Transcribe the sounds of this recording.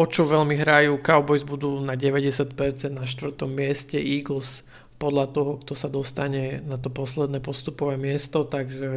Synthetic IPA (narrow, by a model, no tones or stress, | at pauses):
ɔt͡ʃɔʋɛlmiɦɾajuːkaʊbɔjzbud̪uːnaɟɛʋɛɟɛsjacpɛɾt͡sɛnd̪naʃt̪ʋr̩t̪ɔmːɪɛscɛʔiːɡl̩s | pɔd̪ʎat̪ɔɦɔkt̪ɔsad̪ɔst̪aɲɛnat̪ɔpɔslɛd̪nɛːpɔst̪upɔʋɛːmɪɛst̪ɔt̪aɡʒɛ